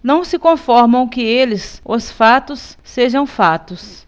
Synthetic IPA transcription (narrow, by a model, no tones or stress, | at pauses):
nɐ̃w̃sɪkõfɔɾmɐ̃w̃kɪelɪsʊsfat̪ʊsːeʒɐ̃w̃fat̪ʊs